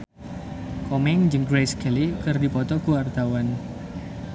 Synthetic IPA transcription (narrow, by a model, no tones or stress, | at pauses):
kɔmɛŋd͡ʒɨŋɡɾejsɡ̥alikɨrdipɔt̪ɔkuwart̪awan